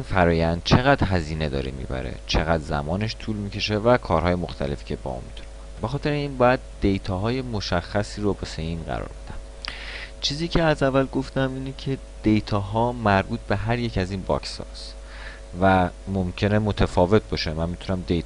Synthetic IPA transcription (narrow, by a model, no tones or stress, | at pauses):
infæɾɒːjænd̪̥̚t͡ʃʰeɣæd̪̥ɦæziːne̞d̪ɒ̰ːɾḛmḭbæ̰ɾḛt͡ʃʰe̞ɣæd̪zæ̰mɒːne̞ʃt̪ʰuːlmiːcʰe̞ʃevækʰɒːɾhɒːje̞mo̞xt̪ʰæle̞fi̥ːcʰe̞bɒ̰ːʔṵnmit̪ʰu̥nekonbexɒːt̪ʰe̞ɾeiːnbɒːjæd̪̚ːejt̪ʰɒːɦɒːje̞mo̞ʃæxːæsiːɾobeseiːnɢæ̰ɾɒ̰ɾbed̪̥æm | t͡ʃʰiːziːcʰe̞æzævælɡo̞ft̪æmiːnecʰe̞ | d̪̥ejt̪ʰɒːɦɒːmæɾbuːt̪̚ʰb̥e̞ɦæɾje̞cʰæziːnbɒ̰ksɒ̰ːs | væmomcʰe̞nemo̞t̪ʰæfɒːve̞t̪̚bɒːʃemænmit̪ʰunæmd̪ejt̪